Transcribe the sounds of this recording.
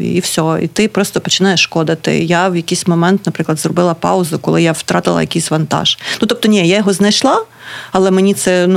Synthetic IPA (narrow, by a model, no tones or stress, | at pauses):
iwsʲɔḭt̪ɪpɾɔst̪ɔpɔt͡ʃɪnɑjɛʃːkɔd̪ɐt̪ɪ̰jawjɐkijsʲmɔmɛnt̪nɐpɾɪklˠɐd̪zrɔbɪlˠɐpɑ̰ʊzʊkɔ̰lˠɪjawt̪ɾɑt̪ɪlˠɐ̰jɐkʲijsʲʋɐnt̪ɑ̰ʒ̥nut̪ɔp̚t̪ɔnʲijajɔɦɔznɐjʃlˠɑ | ɐlˠɛmenʲit̪sɛn